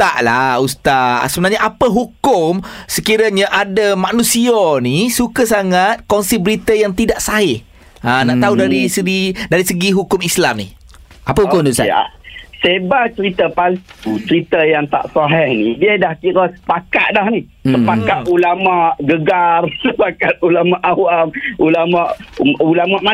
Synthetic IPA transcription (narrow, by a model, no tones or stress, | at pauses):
t̪aʔlaust̪asəbənarɲaʔapəɦukʊmsəkiɾaɲaʔadamanũsionisukəsaŋat̪̚kɔnsibəɾit̪əjaŋt̪idaʔsaɦɪh | anaʔt̪audaɾisəɡidaɾisəɡiɦukʊmislamnḭ | ʔapəɦukʊd̪usa̰a̰sebaʔt͡ʃəɾit̪əpalut͡ʃəɾit̪əjaŋt̪a̰ʔsaɦɛhnidiədahkiɾəsə̥paka̰ʔ̪̚dahnisəpakat̪ulamaʔɡəɡarsəpakat̪̚ulamaʔawamulamaʔulamaʔma